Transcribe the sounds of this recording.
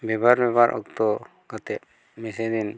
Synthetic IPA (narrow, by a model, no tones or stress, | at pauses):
bɛbaɾbɛbaɾʔɔ̰k̚t̪ɔ | kɔt̪ɛp̚ | mɛsɛd̪in